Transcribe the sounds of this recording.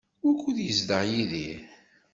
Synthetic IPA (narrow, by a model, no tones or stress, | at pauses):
ʊɾkuðjəzd̪əʁjiði